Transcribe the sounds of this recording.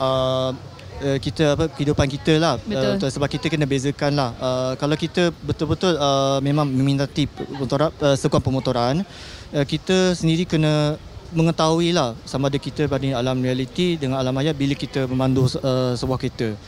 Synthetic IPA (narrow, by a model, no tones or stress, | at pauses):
ʔəm | əkit̪əapəkəhidupankit̪əlahbəsəbap̚kit̪əkənəbezəkanlahəkalawkit̪əbət̪ʊlbət̪ʊləmẽmãŋumĩt̪at̪iəmɔt̪oɾaəsəɡanpəmɔt̪oɾan | əkit̪əsəndiɾikənə | məŋət̪auilahsamaːdəkit̪əbadialamrialit̪idəŋãnalamajaʔ̪̚biləkit̪əmə̃mandusəsəbuahket̪ə